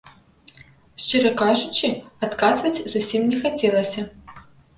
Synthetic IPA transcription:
ʂt͡ʂɨɾɐkaʐut͡ʃiat̪kazvɐt͡sʲzusʲimnʲɛxat͡sʲɛlˠɐsʲɐ

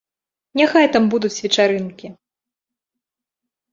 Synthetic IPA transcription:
nʲaxajt̪ambud̪ut͡sʲvʲɛt͡ʂaɾɨnkʲi

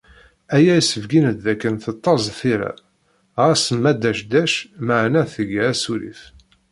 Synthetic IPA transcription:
æjæjisəvɡinəd̪ðækːənθət̪ˤːɑzˤθiɾæ̰ | ʁæsəmːæd̪æʃd̪æʃməʕnæθəʝæsuɾḭθ

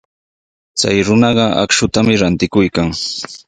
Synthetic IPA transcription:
t͡sa̰jɾʊnɑɢɑa̰kʃʊt̪amɪɾant̪ɪkʊjkaŋ

